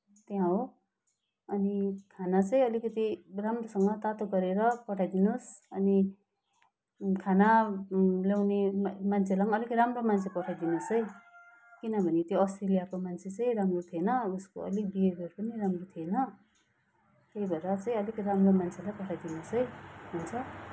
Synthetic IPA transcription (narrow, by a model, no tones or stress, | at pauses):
t̪jãɦo | ʌnikʰanat͡sʌĩʌlikʌt̪iramrosʌŋɡʌt̪at̪oɡʌɾeɾʌpʌʈʰajd̪inosʌni | kʰana | ljawnemant͡sʰelaŋʌlikramromant͡sʰepʌʈʰajd̪inosʌj | kinʌbʱʌnet̪joʌst̪relijakomant͡sʰet͡sʌĩramrot̪ʰienʌusko̰ʌ̰lik̚biebʌɾpʌniramrot̪ʰienʌ | t̪eibʱʌeɾʌt͡sʌĩʌlikʌɾamromant͡sʰelajpʌʈʰajd̪inosʌjɦunt͡sʰʌ